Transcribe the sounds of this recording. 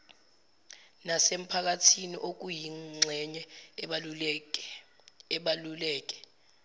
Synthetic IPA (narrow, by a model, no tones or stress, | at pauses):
nasem̩pʰak̬atʰiniʔok̬ujiŋ͡ǀʱɛɲɛ | ɓlulɛːk̬ʼɛ̥